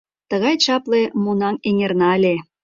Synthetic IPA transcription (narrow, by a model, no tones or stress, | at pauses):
t̪əɣɑjt͡ɕɑplemonɑŋeŋʲernɑəlʲe